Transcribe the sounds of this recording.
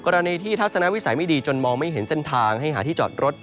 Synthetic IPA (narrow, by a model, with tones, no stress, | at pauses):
kɔː˧ɾa˧niː˧t̪ʰiː˥˩t̪ʰa˦˥t̪̚sa˧na˦˥ʔwi˦˥sa˩˦jma˥˩jdiː˧t͡ɕo˧nmɔː˧ŋma˥˩jɦe˩˦nse˥˩nt̪ʰaː˧ŋɦa˥˩jɦaː˩˦t̪ʰiː˥˩t͡ɕɔ̰ː˨˩t̪̚ɾo˦˥t̪̚